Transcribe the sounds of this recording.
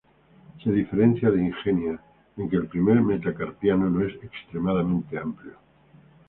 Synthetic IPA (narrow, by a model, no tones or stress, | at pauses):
seð̞ife̞ɾe̞n̟θjaðeiŋxenja | eŋke̞ːlpɾime̞ɾmet̪akaɾpjanoloe̞sekst̪ɾe̞maðamẽnt̪e̞ampljo